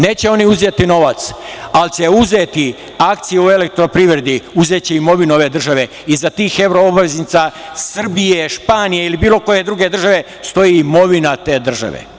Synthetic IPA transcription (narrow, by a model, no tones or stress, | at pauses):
ne̞ːt͡ɕe̞o̞niuzet̪ino̞ʋat̪salt͡ɕe̞uze̞ːt̪i | ak̚t̪sijuue̞lek̚t̪ɾo̞pɾiːʋɾed̪iuze̞t͡ɕeimo̞ʋino̞ʋe̞ːd̪r̩ʒaʋe̞ | izat̪iːxeʋɾoobaʋeznit̪sasr̩bijeʃpaːnijeilibiːlˠo̞ko̞je̞d̪ɾuːɡe̞d̪r̩ʒaʋe̞ | st̪o̞jiːimo̞ʋinat̪e̞ːd̪r̩ʒa̰ʋḛ